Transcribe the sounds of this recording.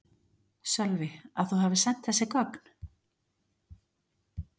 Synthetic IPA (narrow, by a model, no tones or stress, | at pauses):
sœlvɪaðθuɦaːvɪsɛn̥t̪θɛsːɪkɔkn̥